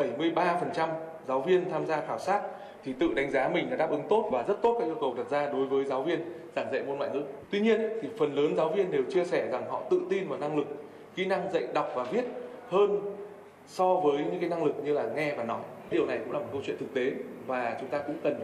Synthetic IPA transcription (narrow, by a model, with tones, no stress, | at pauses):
ɓə˧˩jmɨ˧əjɓaː˧fə˨˩nt͡ɕa˧m | zaː˨˦wvi˧ənt̪ʰaː˧mzaː˧xaː˧˩wsaː˦˥t̚ | t̪ʰi˨˩t̪ɨ̰˧˨ɗa˨˦jŋ̟zaː˨˦mï˨˩ŋ̟ɗa̰ː˨˦ɗaː˦˥ʔɨ˨˦ŋt̪o˦˥t̚vaː˨˩zə˦˥t̚t̪o˦˥t̚kaː˦˥kʔi˧əkə˨˩wɗə˨˩t̚zaː˧ɗo˨˦jvəː˨˦jzaː˨˦wvi˧ən | zaː˧˩nzə̰˧˨jmo˧nwa̰ː˧˨jŋɨ̰˧˥t̪wi˧ɲi˧ənt̪ʰi˨˩fə˨˩nləː˨˦nzaː˨˦wvi˧ənɗe˨˩wt͡ɕi˧əsɛ˧˩za˨˩ŋɦɔ̰˧˨t̪ɨ̰˧˨t̪i˧nvaː˨˩wna˧ŋlɨ˨˩k̚ | xḭ˧˥na˧ŋzə̰˧˨jɗa˨˩wk͡p̚vaː˨˩vi˦˥ət̚həː˧n | sɔ˧vəː˨˦jɲ̰˧ɲɨ̰˧˥ŋka˨˦na˧ŋlɨ˨˩k̚ɲɨ˧laː˨˩ŋɛ˧vaː˨˩nɔ˨˦j | ɗi˨˩əwna˨˩jkʊ̰˧˥ŋ͡mlaː˨˩m̚˨˩kə˧wt͡ɕwḭ˧˨nt̪ʰɨ˨˩k̚t̪e˨˦vaː˨˩t͡ɕʊ˨˦ŋ͡mt̪aː˧kʊ̰˧˥ŋ͡mkə˨˩n